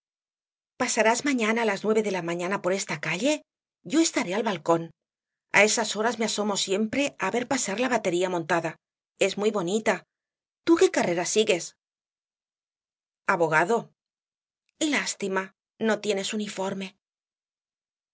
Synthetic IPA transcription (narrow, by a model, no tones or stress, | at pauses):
pasaɾazmaɲanaːlaznwe̞β̞e̞ðe̞lamãɲãnapo̞ɾe̞st̪akaʎe̞ | ɟ͡ʝo̞e̞st̪aɾealβalko̞n | a̰e̞saso̞ɾazmeaso̞mo̞sje̞mpɾe̞aβe̞ɾpasaɾlaβat̪e̞ɾiamõ̞nt̪aða | e̞zmwujβo̞nit̪a | t̪uke̞kare̞ɾasiɣe̞s | aβo̞ɣaðo̞ | last̪ima | no̞t̪je̞ne̞sunifo̞ɾme̞